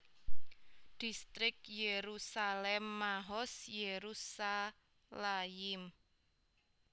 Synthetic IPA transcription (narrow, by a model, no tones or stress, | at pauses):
d̪̥ist̪ɾɪk̚jeɾusalɛmːaɦɔsjeɾusa | laɪm